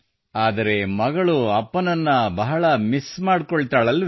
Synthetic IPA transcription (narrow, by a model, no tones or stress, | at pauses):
aːd̪ɐɾe̞mɐɡɐɭuɐpːɐnɐnːɐbɐɦɐɭɐmismaːɽkoɭt̪aːɭɐlː